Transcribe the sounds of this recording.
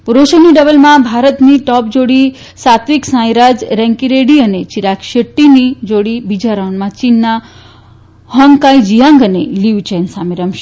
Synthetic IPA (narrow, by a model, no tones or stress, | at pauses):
puɾoʃəniɖəbəlmãbʱaɾət̪niʈɔp̚d͡ʒoɽi | sat̪ʋiksãjɾad͡ʒɾɛ̃ŋkiɾeɽiənet͡ʃiɾakʃəʈːinid͡ʒoɽibid͡ʒaɾəwɳmãt͡ʃinːa | hɔŋkajd͡ʒijãŋɡəneliʋt͡ʃensameɾəmʃ